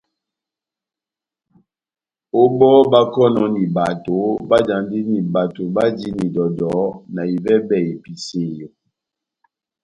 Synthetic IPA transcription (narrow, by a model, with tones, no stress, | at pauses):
o˦bɔ˦ba˦kɔ˦nɔ˨ni˨ba˨to˨˦ba˦d͡ʒa˨ndi˦ni˨ba˨to˨ba˦di˦ni˨dɔ˨dɔ˨˦na˨i˨vɛ˦bɛ˨i˨pi˨se˨jo˨